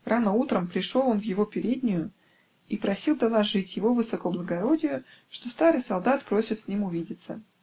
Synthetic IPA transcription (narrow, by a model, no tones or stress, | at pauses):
rʔanəut̪ɾəmpɾʲɪʂo̞lˠo̞nvjɪvo̞pʲɪɾʲedʲnʲɪjʊ | ipɾɐsʲilˠd̪əlˠɐʐɨtʲjɪvovɨsɐkoblˠəɡɐɾo̞dʲɪjʊʂt̪o̞st̪aɾɨjsɐlˠd̪at̪pɾo̞sʲɪt̪sʲnʲimʊvʲidʲɪt̪sə